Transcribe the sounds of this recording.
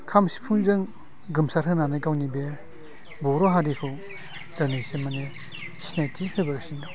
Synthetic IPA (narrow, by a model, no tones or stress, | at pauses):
kʰamsi̥pʰuŋzɯŋ | ɡɯmsaɾhɯnanɯjkawnibe | bɔɾɔɦadikʰɯw | danesimane | sinajtʰihɯbasindɔ